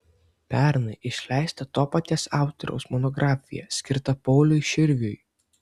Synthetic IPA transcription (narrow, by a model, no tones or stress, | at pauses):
pʲæɾnɐɪʔɪʃʲlʲæˑɪsʲt̪ɐt̪oːpɐt̪ʲeːsɑˑʊt̪ʲɔɾʲɛ̰ʊsmɔnɔɡɾʔɑːfʲɪjɛ̰sʲkʲɪɾt̪ɐpɔʊlʲʊɪʃʲɪɾʲʋʲʊj